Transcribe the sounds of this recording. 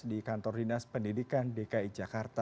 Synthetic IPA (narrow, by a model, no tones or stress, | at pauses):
dikant̪ɔrdinaspəndidikandekaid͡ʒakart̪a